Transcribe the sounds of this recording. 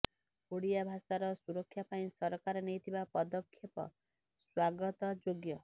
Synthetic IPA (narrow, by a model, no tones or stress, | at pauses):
oɽijabʱasaɾɔsuɾɔkʰːjapaĩsɔɾɔkaɾɔnejt̪ʰibapɔd̪ɔkʰːjepɔ̰ | swaɡɔt̪ɔd͡ʒoɡjɔ